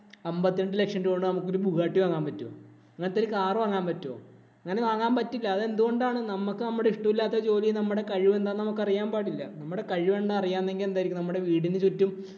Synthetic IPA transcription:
ɐmbɐt̪ːieɳɖɨle̞kʂɐndukoɳɖɨnɐmukːo̞ɾubuɣaːʈːiʋaːŋːaːmpɐtːo̰ː | ɐŋːɐnt̪ːɐɾikaːrʋaːŋːaːmpɐtːo̰ː | ɐŋːɐne̞ʋaːŋːaːmpɐtːilːɐːðe̞nd̪uɣo̞ɳɖaːɳɨnɐmukːɨnɐmːuɽeiʂʈɐmilːaːt̪̬ːɐt͡ɕo̞ːlijnɐmːuɽe̞kɐɻiʋe̞nd̪aːnnɐmukːɐrijaːmpaːɽilːɐnɐmːuɽe̞kɐɻiʋeɳɖɨɐrijaːnːe̞ŋɡile̞nd̪aːjiɾikʲːnɐmːuɽe̞ʋiːɽinɨt͡ɕotːum

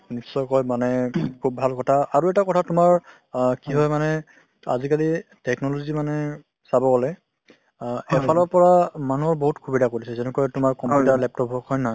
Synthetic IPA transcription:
nisːɔjkɔjmanɛkʰubːʱalkɔtʰaaɹuɛtakɔtʰatʊmaɹ | kiɦɔjmanɛ | a̰zikalitɛknɔlozimanɛ | sabɔɡɔlɛ | ɛpʰalɔɹpɔɹamanuɔɹboɦutkʰubidʱakoɹisɛzɛnɛkɔjtʊmaɹkɔmjutaɹlɛp̚tɔbʱɔkhɔjnaɦj

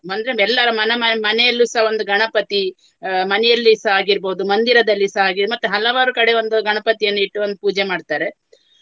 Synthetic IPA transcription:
ɐnd̪ɾeɛlːɐɾɐmɐnɐmɐmɐnɛjɐlːuːsɐɦao̞nd̪uɡɐɳɐpɐt̪i | mɐnɛjɐlːisɐɦaːɡiɾboːud̪umɐnd̪iɾɐd̪ɐlːisɐɦaːɡid̪mɐt̪ːuɦɐlɐʋaːɾukɐɽe̞o̞nd̪uɡɐɳɐpɐt̪ijɐnːuiʈːuond̪upuːd͡ʒemaːɖt̪aːɾe̞

